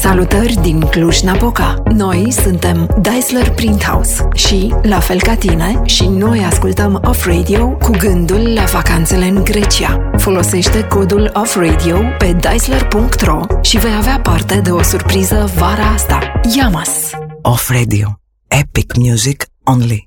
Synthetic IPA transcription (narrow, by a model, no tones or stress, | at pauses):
salut̪ərʲd̪inkluʒnapokano̞jsunt̪e̞md̪ajslərpɾint̪ha̰wsʃilafe̞lkat̪ine̞ʃino̞jaskult̪əmofrejd̪io̞kuɡɨnd̪ulːavakant̪se̞le̞ɨŋɡɾe̞t͡ʃiafo̞lo̞se̞ʃt̪e̞ko̞d̪ulofrejd̪io̞pe̞d̪ajslərpuŋkt̪ro̞ʃive̞javeapart̪e̞d̪e̞o̞surpɾizəvaɾaast̪ajamasɔfɾed̪io | epikmjuzik | õnli